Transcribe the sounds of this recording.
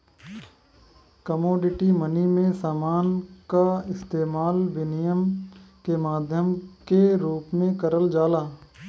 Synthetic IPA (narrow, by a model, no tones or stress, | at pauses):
kəmoːɖɪʈimɐnimẽsaːmaːnkaɪst̪eːmaːlʋɪnɪjəmkemaːd̪ʱjəmkeɾuːpmẽkɐɾəld͡ʒaːlaː